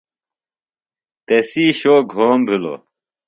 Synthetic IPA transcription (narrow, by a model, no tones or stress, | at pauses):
t̪esiːɕoːɡʱoːmbʱilo̰